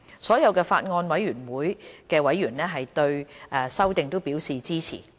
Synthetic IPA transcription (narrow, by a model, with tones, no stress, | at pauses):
sɔː˨˥jɐ˨˧wkɛː˧fa̰ː˧t̚ŋɔː˧nwɐ˨˥jyː˨˩nwuː˨˥jkɛː˧wɐ˨˥jːyː˨˩nlɛː˥ɦɐ˨jt̪ɵ˧ɥʔɛː˧˩sɐ˥wt̪ɪ˨ŋt̪o˥wpiː˨˥wsiː˨t͡siː˥t͡sʰḭː˨˩